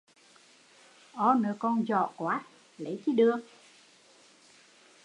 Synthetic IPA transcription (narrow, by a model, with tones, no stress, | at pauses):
ʔɔ˨˧˦nɨ˨˩kɔ˧nzɔ̰˧˨kwaː˨˦ | lə˨˦jt͡ɕi˨˦ɗɨ˨˧ək̚